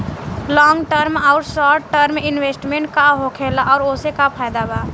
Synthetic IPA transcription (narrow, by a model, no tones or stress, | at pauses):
lɔːŋɡʈəɾmaʊɾsɔːʈʈəɾmɪnwesʈmẽɳʈ̚kaɦokʰelaʔɔːɾoːsekapʰaːɪd̪abaː